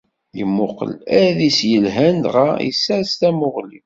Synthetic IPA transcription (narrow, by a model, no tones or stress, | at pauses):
jəmːʊqə̰læðisjəlɦænd̪ʁaḭsːæɾst̪æmʊʁlḭ